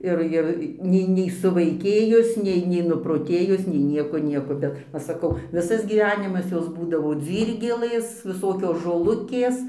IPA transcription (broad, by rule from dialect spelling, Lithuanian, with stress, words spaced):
ˈɪr ɪr ˈnʲɛɪ nʲɛɪ sʊʋɐɪˈkʲeːjʊs ˈnʲɛɪ nʲɛɪ nʊproːˈtʲeːjʊs nʲɛɪ ˈnʲiɛkoː ˈnʲiɛkoː ˈbʲɛt ˈʋɐ sɐˈkɐʊ ˈʋʲɪsɐs ɡʲiːˈʋʲæːnʲɪmɐs ˈjoːs buːdɐʋoː ˈd͡zʲiːrʲɡʲɛlˠɘs ʋʲɪˈsoːkʲoːs ʒoːˈlˠʊkʲeːs